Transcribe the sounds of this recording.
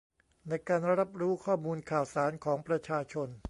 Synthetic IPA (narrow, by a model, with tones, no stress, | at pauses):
na˧jkaː˧nɾa˦˥p̚ɾuː˦˥kʰɔː˥˩muː˧nkʰaː˨˩wsaː˩˦nkʰɔː˩˦ŋpɾa˧t͡ɕʰaː˧t͡ɕʰo˧n